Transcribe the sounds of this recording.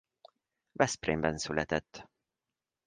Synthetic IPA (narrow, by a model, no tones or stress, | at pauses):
vɛsprḛːmbɛnsylʔɛt̪ɛt̪ː